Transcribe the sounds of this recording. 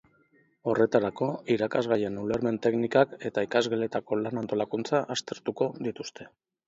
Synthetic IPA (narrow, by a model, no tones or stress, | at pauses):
o̞re̞t̪aɾako̞iɾakazɣaje̞nule̞ɾme̞nt̪e̞knikake̞t̪aikazɣele̞t̪ako̞lanant̪o̞lakunt͡saʔast̪e̞ɾt̪uko̞ðit̪ust̪ʰe̞